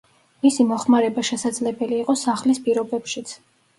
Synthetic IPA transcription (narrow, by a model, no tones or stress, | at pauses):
misimɔχmaɾɛbaʃɛsad̪zlɛbɛliːqʼɔsaχlispʼiɾɔbɛpʃit̪sʰ